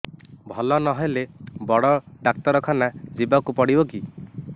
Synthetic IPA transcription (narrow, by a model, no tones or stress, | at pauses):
bʱɔlɔnɔɦelebɔɽɔɖak̚t̪ɔɾɔkʰanad͡ʒibakupɔɽibɔki